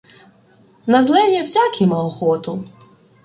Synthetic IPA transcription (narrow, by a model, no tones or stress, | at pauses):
nɐzlˠɛjɛwsʲakʰʲimɐɔxɔt̪ʊ